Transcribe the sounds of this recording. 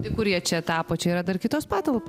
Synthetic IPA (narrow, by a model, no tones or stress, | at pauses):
t̪ʲɪkʊɾʲiɛt͡ʃʲɛt̪ɑːpoːt͡ʃʲɛiːɾɐd̪ɐrkʲɪt̪oːspɑːt̪ɐlˠpoː